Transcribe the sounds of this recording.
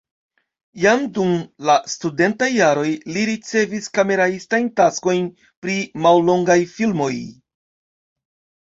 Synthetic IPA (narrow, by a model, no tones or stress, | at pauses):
jamdumlastude̞ntajːaɾo̞jliɾit͡se̞viskame̞ɾaistajntasko̞jn | pɾimallo̞ŋɡajfilmo̞j